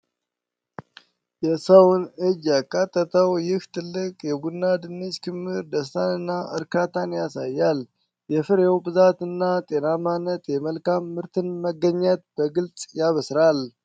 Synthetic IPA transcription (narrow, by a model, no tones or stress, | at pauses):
jɛsəwnɨd͡ʒjakʼːat̪ʼːət̪ʰəwjɪht̪ʰɨlːɨkʼjɛɡunːad̪ɨnːet͡ʃkʰɨmhɨɾd̪əs̬t̪ʰanɨnːaʔɨɾkʰat̪ʰanjasajːal | jɛfɨɾjɛwbɨzat̪ɨnːat̪ʼenamanːət̪jɛməlkʰamːɨɾt̪ʰɨnməɡːəɲːat̪̚b̥əɡɨlt͡sʼjaβəsɾal